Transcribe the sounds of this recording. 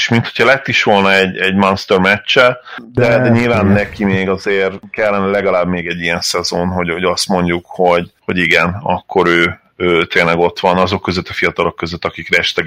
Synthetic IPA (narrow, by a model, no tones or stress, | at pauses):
eʃmint̪ʰho̞chɒlɛt̪ːiʃʋo̞lnɒɛɟɛɟmɒnst̪ørmɛt͡ʃːɛd̪ɛd̪ɛɲilvaːnːɛkimeːɡɒzeːrkɛlːɛnɛlɛɡɒlaːbmeːɡɛɟːijɛnsɛzonɦo̞ɟho̞ɟɒst̪mo̞ɲɟukho̞ɟho̞ɟiɡɛnɒ̰kːo̞ɾøː | øːt̪eːnlɛɡo̞t̪ʋɒnɒzo̞kːøzøt̪ːɒfijɒt̪ɒlo̞kːøzøt̪ːɒkikrɛɛʃt̪ɛ